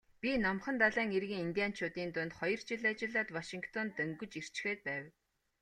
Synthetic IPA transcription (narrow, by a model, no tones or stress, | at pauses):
pʲinɔmχə̆nt̪aɮaːŋerɣiːŋint̪ʲiaːn̥t͡ɕʰʊːt̪iːnt̪ʊnt̪χɔjɞ̆r̥t͡ɕiɮat͡ɕɪ̆ɮaːt̪waʃiŋkʰt̪ʰɔnt̪ɵŋɡɵ̆t͡ɕir̥t͡ɕɪ̥xeːt̪̚pæːw